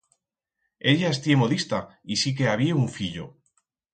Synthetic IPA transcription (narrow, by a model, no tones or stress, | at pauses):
e̞ʎaest̪je̞mo̞ðist̪aisik̬e̞aβ̞ieuɱfiʎo̰